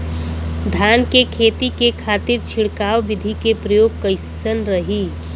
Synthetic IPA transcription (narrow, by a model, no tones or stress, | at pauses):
d̪ʱaːnkekʰeːt̪ikekʰaːt̪ɪɾt͡ʃʰɪɽkaːʋbɪd̪ʱikepɾəjoːɡ̚kəɪsənɾəɦi